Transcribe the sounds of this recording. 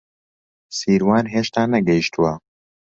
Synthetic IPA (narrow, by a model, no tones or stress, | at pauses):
siːɾwaːnɦeːʃt̪aːnɐɡɛjiʃt̪ʰuwɐ